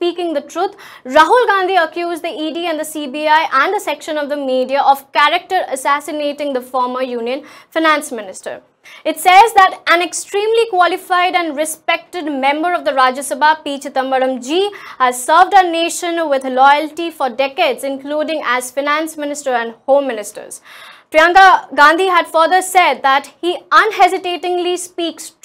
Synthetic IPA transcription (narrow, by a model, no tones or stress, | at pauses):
spiːkɪ̃ŋd̪əʈʰɾuːt̪ʰ | ɾaɦulɡãːnd̪ʱiəkjuːzd̪iiːɖiæ̃nd̪əsibiaɪʔæ̃nɖəsɛkʃə̃nɔʋd̪əmiːɖiaʔɔʋkæɾək̚ʈəɾəsæsɪneːʈɪ̃ŋd̪əfɔːɾməɾjũːnjə̃nfaɪnæ̃nsmɪnɪsʈə̰ɾ | ɪʈsɛzd̪æʈʔæ̃neksʈɾĩːmlikwɔlɪfaɪɖæ̃nɖɾɪspɛk̚ʈɪɖmɛ̃mbəɾɔʋd̪əɾaːd͡ʒəsəbapiːt͡ʃt̪ʌ̃mbəɾə̃md͡ʒiːhæzsəːʋɖəneːʃə̃nwɪd̪lɔɪəlʈifɔɾɖɛkeːdzɪ̃nkluːɖɪ̃ŋæz̥faɪnæ̃nsmɪnɪsʈəɾæ̃nɖhõːmːɪnɪsʈə̰ɾz̥pɾiãŋɡaɡãːnd̪ʱiɦæɖfəɾd̪əsɛd̪̚d̪æʈhiʌ̃nɦɛzɪʈeːʈɪ̃ŋlispiːks